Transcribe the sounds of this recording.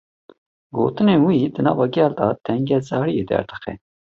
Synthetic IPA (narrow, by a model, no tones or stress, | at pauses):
ɡo̰ːt̪ɨnewid̪ɨnɑ̰ːvɑːɡɛːld̪ɑt̪ʰɛŋɡɛzɑːɾijed̪ɛ̰ɾd̪ɨ̥xɛ̰